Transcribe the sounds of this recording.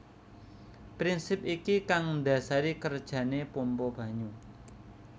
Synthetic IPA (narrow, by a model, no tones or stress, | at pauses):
pɾinsɪp̚ikikaŋnd̪a̤saɾikərd̥ʒ̥ä̤nepɔmpɔb̥ä̤ɲu